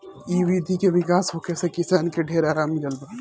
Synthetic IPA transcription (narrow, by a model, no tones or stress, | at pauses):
iʋid̪ʱikeʋɪkaːsɦokesekɪsankeɖʱeːɾaːɾaːmiləlbə